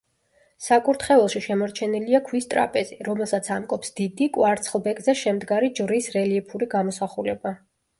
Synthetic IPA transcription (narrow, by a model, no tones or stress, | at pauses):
sakʼuɾt̪ʰχɛɛlˠʃiʃɛmɔɾt͡ʃʰɛniliakʰwist̪ʼɾa̰pʼɛziɾɔmɛlˠsat̪sʰamkʼɔpsd̪id̪ikʼwaɾt̪sʰχlˠbɛkʼzɛʃɛmd̪ɡaɾid͡ʒvɾisɾɛliɛpʰuɾiɡamɔsaχulɛba